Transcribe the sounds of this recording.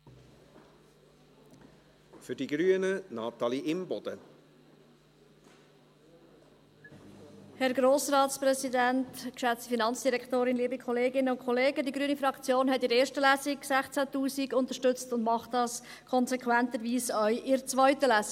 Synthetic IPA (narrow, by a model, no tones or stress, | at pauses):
fʏɾd̥iɡɾyənənɑːt̪ɑliʔɪmbɔd̥̪ə | hɛɾɡɾoːsɾɑːtspɾɛsidæntkʃæt͡stəfinɑnt͡sd̥iɾɛktoːɾɪnliːəbikʰɔleːɡɪnəʊnkʰχɔleːɡədiɡɾyənifɾɑkt͡sjoːnɦɛtɪɾeːɾʃtəlæsɪɡsæχt͡sætuːsiɡʊnt̪əʃtʏt͡stʊndmɑχtdɑs | kʰɔnsɛkʰwænt̪əɾʋiːsœʏʔɪɾt͡svœʏtəlæsi